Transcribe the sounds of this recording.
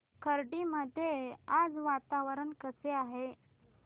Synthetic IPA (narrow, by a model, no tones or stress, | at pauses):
kʰəɾɖiməd̪ʱːjead͡zʋat̪aʋəɾənkəseaɦe